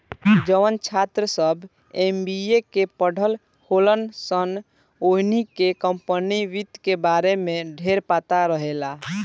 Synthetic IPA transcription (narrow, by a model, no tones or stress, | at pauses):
d͡ʒəʋənt͡ʃʰat̪ɾəsəbʱ | embiekepəɽ̤ʱəl | holənsən | oɦnikekəmpəniʋit̪kebaɾemẽɖʱeɾpat̪aɾəɦela